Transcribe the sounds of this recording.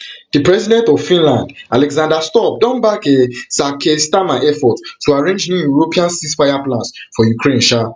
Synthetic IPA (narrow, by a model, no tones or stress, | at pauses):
d̥ipɹɛzidɛ̃ntɔv̥fĩnlãndalɛɡzãndastɔp̚dɔ̃nbakesakʰestamaɪɛfɔttuaɹẽnd͡ʒnũjuɹopiãnsisfajaplãnsfɔjukɹẽnʃa